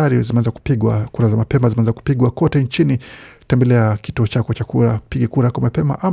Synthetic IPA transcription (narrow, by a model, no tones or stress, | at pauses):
aɾizimɛanzaku̥piɠwakuɾazamapɛmazinɛanzaku̥piɠwakɔtɛnt͡ʃinitɛmbɛlɛakituɔt͡ʃakɔt͡ʃakuɾapiɡɛkuɾakwamapɛma̰ʔam